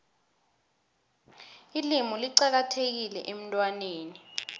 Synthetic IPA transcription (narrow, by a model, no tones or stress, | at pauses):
ilimɔliǀak̬atʰek̬ilɛ̰ʔem̩tʼwaneːni